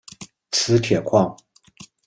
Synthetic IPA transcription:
t͡sʰɹ̩˥t̪ʰjɛ˨˩kʰwɑ˥˩ŋ

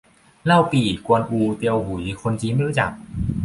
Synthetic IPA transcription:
la˥˩wpiː˨˩ku˧ənʔuː˧t̪i˧əwɦu˨˩˦jxʰo˧nt͡ɕiː˦˥ma˥˧˨ɾu˦˥t͡ɕa˨˩k̚

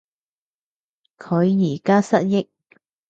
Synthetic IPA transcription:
kʰɵ˨˧ɥjiː˨˩kaː˥sɐ˥t̚jɪ˥k̚

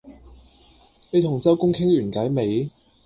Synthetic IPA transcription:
ne˨˧jt̪ʰʊ˨˩ŋt͡sɐ˥wkʊ˥ŋkʰɪ˥ŋlyː˨˩nkaː˨˥jme˨˧j

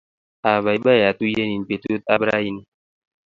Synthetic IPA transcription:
a˨ba˨i˨˦ɓa˦˨ja˨tu˦je˦ni˨n˨pe˨tu˦ta˦bɾa̰˦ji˦ni˦

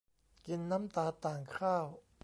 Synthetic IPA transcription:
ki˧nːa˦˥mt̪aː˧t̪aː˨˩ŋkʰaː˥˩w

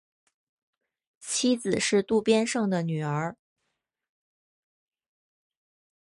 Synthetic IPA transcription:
t͡ɕʰi˥d͡zɹ̩˨˩ʂɻ̩˥˧t̪u˥˩pjɛ˥nʂɤ˥˩ŋd̪ə˩ny˨˩ə˞˧˥

